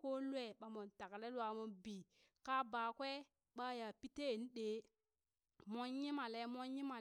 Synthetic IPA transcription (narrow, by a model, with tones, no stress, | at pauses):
ko˦le˦ɓa˨mo˨nta˨kle˦lwa˨mo˨nbi˨ | ka˦baː˨kwe˦ | ɓa˦ja˨pi˦te˦˨n˦ɗe˨˦ | mo˦nji˦ma˨le˦mo˦nji˦ma˨